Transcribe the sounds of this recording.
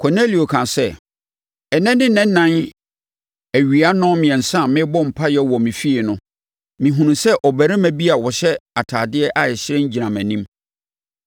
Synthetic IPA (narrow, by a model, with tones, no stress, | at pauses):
kʰɔ˨ne˦li˨o˨kʰã˨sɛ˦ | ɛ˨nɛ̃˦nɪ̃˦nɛ̃˦n˦nːã˦n | æ˨ɥi˨a˦nʊ̃˦mɪ̃˨ɛ̃˨n̩˨sã˦˨mɪ̃˦bɔ˦m̩˨pʰa˦jɛ˦wɔ˨mĩ˨fi˦e˨nʊ̃˦ | mĩ˨ɦũ˨nũ˨sɛ˦ʔɔ˨bæ˨ɾɛ˦mæ̃˦bi˦a˨wɔ˨ɕɛ˦a˨tʰaː˨dɪ˦ɛ˦ʔa˨ɛ˨ɕɪ˦ɾɛ̃˦ɲ˦d͡ʑi˨ã˨mæ̃˨nĩ˦m